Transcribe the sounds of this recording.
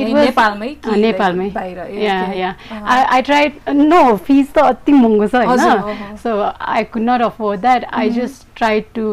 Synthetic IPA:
itwʌzpalmajnepalmajbaɾʌjajaaajʈɾajdnopʰist̪ʌːt̪imoŋɡosʰʌɦʌnʌsoa̰jkudnɔʈʌfʰoɾdd̪aʈa̰jd͡ʒʌsʈɾajd̚ʈu

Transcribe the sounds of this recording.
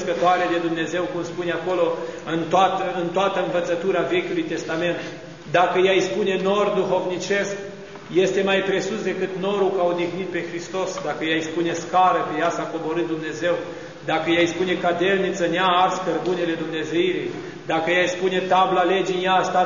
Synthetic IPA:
skət̪oaɾe̞d̪ed̪umne̞zewkumspuneako̞lo̞ɨnt̪oat̪əɨnt̪oat̪əɨnvət̪sət̪uɾave̞kʲulujt̪e̞st̪ame̞nt̪ | d̪akəjajspune̞no̞rd̪uxo̞vnit͡ʃe̞sk | je̞st̪e̞majpɾe̞susd̪e̞kɨt̪no̞ɾukawd̪ixnit̪̚pe̞xɾist̪o̞sd̪akəjajspune̞skaɾəkəjasako̞bo̞ɾɨt̪̚d̪umne̞ze̞w | d̪akəjajspune̞kad̪e̞lnit̪səneaarskərbunele̞d̪umne̞zeiɾij | d̪akəjajspune̞t̪ablale̞d͡ʒinjast̪a

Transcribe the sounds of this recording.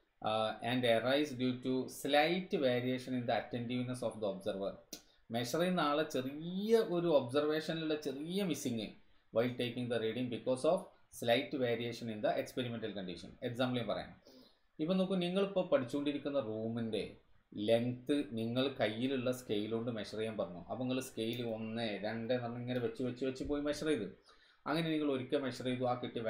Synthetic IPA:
ænɖerɐjsdjuːtːuslɐjtːɨʋeːɾije̞ːʂɐnind̪ɐɐtːendiʋnɐsoːfd̪ɐobsɐrʋɐr | me̞ʂɐrinːaːɭɐt͡ɕe̞rijɐʔo̞ɾuobsɐrʋe̞ːʂɐniluɭːɐt͡ɕe̞rijɐmisiŋːɨ | ʋɐjlʈe̞ːkːiŋd̪ɐreɖiŋbikːo̞ːsoːf | slɐjtːɨʋeːɾije̞ːʂɐnind̪ɐʔekspe̞ɾime̞ntɐlkɐɳɖiʂɐ̰ne̞ksaːmblinpɐ̰rɐ̰ja̰ːɳ | ipːonoːkːɨniŋːɐɭipːoːpɐʈʰit͡ɕːuɣo̞ɳɖiɾikʲːunːɐruːminde̞̰ | le̞ŋt̪ɨniŋːɐɭkɐjːiluɭːɐskejiluɳɖɨmeɕɐrɐjaːmpɐrɐɲːṵʔɐ̰ʋɐŋːɐɭske̞jilo̞nːeɾeɳɖenɐrnɐŋːɐneʋet͡ɕːuʋɐt͡ɕːɨʋet͡ɕːupo̞ːjimeɕɐrejðu | ɐ̰ŋːɐneniŋːɐɭo̞ɾukʲːemeɕɐrejðuaːkiʈːi

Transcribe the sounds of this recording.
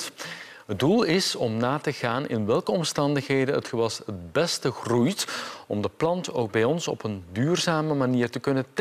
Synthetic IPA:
ɦəddulˠɪsɔmnaːtəɣaːnɪ̰nʋɛlˠkəɔmstɑndəxɦejdəɦətxəʋɑsət̚bɛstəɣrujtɔmdəplɑntoːwɡ̚bɛjɔnsɔ̰pəndyːrzaːməmaniːrtəkɵnət

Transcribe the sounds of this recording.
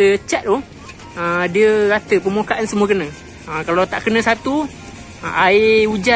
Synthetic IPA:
ət͡ʃaʔ̚d̪o | ədiəɾat̪əpəmokaʔansəmuəkənə̃ | əkalawt̪aʔkənə̃sat̪ṵ | aiud͡ʒa

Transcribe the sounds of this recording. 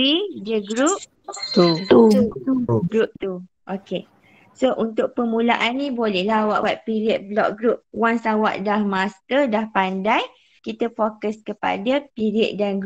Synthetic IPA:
idəɡɾup̚ | t̪uuuɡɾup̚t̪u | ʔoke | soʔunt̪ʊk̚pəmũlaʔanːibolɛhlaɦwaʔwat̪̚piɾiət̪̚blɔ̰k̚ɡɾup̚waŋsawa̰ʔdahmast̪ədahpandaj | kit̪əfokəskəpa̰dapiɾiət̪̚danɡ

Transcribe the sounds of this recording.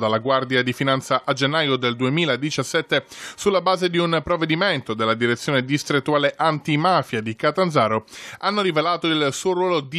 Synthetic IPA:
d̪alːaɡward̪jad̪ifinant̪saʔad͡ʒenːaːjod̪eld̪uemiːlad̪it͡ʃasːɛt̪ːesulːabaːzed̪iunpɾovːed̪iment̪od̪elːad̪iɾet̪sjoːned̪ist̪ɾet̪ːuaːleʔant̪imafjad̪ikat̪anzaːɾoanːoɾivelaːt̪oilsuːoɾwɔːlod̪i

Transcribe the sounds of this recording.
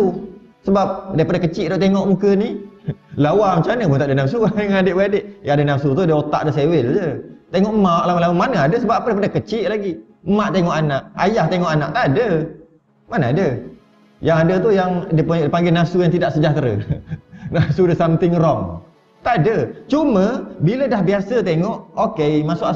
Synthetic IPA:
u | səbap̚dajpadakət͡ʃɪʔdɔʔt̪eŋɔʔmukənilawamət͡ʃanəpunt̪aʔdənamsuŋadeʔbəadeʔjaŋadənamsut̪udəot̪a̰ʔdəsewɪld͡ʒət̪eŋɔʔmaʔlawalawamanəadəsəbaʔapədajipadəkət͡ʃɪʔlaɡi | əmaʔt̪eŋɔʔanaʔajaht̪eŋɔʔanaʔt̪adə | manəadə | jaŋadət̪ujaŋdipuʔdipaŋɡenasujaŋt̪idaʔsəd͡ʒaht̪ɾə̰ | nasudəsamt̪ɪŋɾɔŋ | t̪adət͡ʃuməbilədahbiasət̪eŋɔʔokemasʊʔa

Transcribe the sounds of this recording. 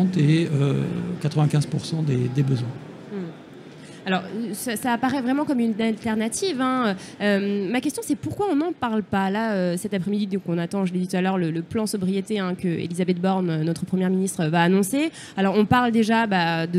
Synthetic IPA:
t̪eøkat̪χəvɛ̃kʲɛ̃zpuʁsɑ̃d̪ed̪ebəzwɛ̃ | m̩ | alɔʁsasaːpaʁɛvʁɛmɑ̃kɔmynalt̪ɛʁnat̪ivɛ̃ø | ømmakʲɛst̪jɔ̃sɛpuʁkwaɔ̃nɑ̃paʁlpalaøsɛt̪apχɛmid̪id̪ɔ̃kɔ̃nat̪ɑ̃ʒəled̪it̪ut̪alœʁlələplɑ̃sɔbʁijet̪eɛ̃kəḛlizabɛt̪̚bɔʁnønɔt̪χəpχəmjɛʁminist̪χəvaːnɔ̃se | alɔʁɔ̃paʁld̪eʒabad̪ə

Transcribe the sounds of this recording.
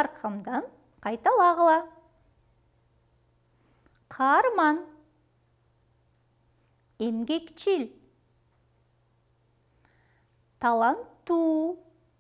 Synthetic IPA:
ɑɾqʰɑmd̪ɑn | qʰɑjt̪ɑlˠɑʁəlˠɑ | qʰɑɾmɑn | emɡʲekt͡ʃil | t̪ʰɑlˠɑnt̪ːu

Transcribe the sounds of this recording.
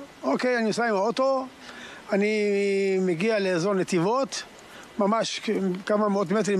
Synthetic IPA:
okejaniosaimot̪o̞ | animeɡialeːzoʁnet̪ivot̪ | mamaʃkamameot̪met̪̬ʁi

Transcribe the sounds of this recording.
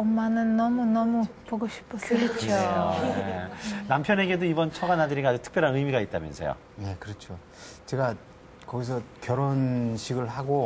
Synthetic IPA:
ʌmːanɯnːʌmunʌmupoɡoɕʰi̥pʰʌsɾʌt͡ɕʰoojenampʰjʌne̞ɡe̞doibʌnt͡ɕʰʌɡanɦadɯɾiɡad͡ʑɯktʰɯ̥kp͈jʌɾɦanɯjmiɡait̚t͈amjʌnsʰḛjo̰ | je̞kɯɾʌt͡ɕʰo | t͡ɕe̞ɡa | kʌɡis̬ʰʌkjʌɾonɕʰiɡɯɭɦaɡo

